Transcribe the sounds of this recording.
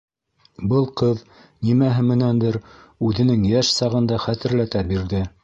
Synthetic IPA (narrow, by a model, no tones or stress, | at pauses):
bɤlˠqɤð | nimæɦɘmɘ̆nænd̪ɘɾ | ʉðɘ̆nɘŋjæʃsɑʁɤ̆nd̪ɑχæt̪ɘ̆ɾlæt̪æbiɾðɘ